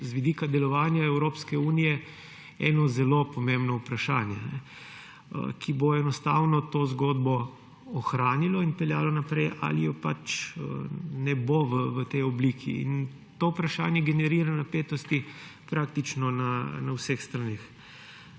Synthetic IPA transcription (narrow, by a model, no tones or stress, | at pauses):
zʋid̪iːkad̪ɛlɔʋaːnjaɛwɾoːpskɛuːnijɛ | ɛ̰nɔzɛlopɔmẽmbnɔupɾaʃaːnjɛnɛ̰ | kʰiboɛnɔst̪aːwnɔt̪ozɡoːd̪bɔː | xɾaːnilɔinpɛlja̰ːlɔnapɾɛjʔa̰lijɔpa̰t͡ʃənɛboʋəʋət̪ɛjɔbliːkʰḭḭn | t̪oupɾaʃa̰ːnjɛɡɛnɛɾiːɾanapeːt̪ɔst̪ipɾʔaːkt̪it͡ʃnɔnanawsexst̪ɾanix